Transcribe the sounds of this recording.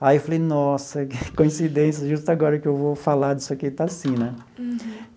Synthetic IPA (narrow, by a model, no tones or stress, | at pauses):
ajiwfalejnɔsɐkõĩsid̪ẽsjɐʒust̪ʊaɡɔɾɐkɪewvofalad̪isʊaket̪asĩnɛ